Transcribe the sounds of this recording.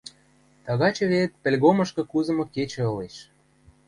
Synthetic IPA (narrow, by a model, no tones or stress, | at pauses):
t̪ɑɣɑt͡ɕɤ̆βet̪̚pĕlʲɣoməʃkɤ̆kuzɤ̆moket͡ɕĕɤ̆leʃ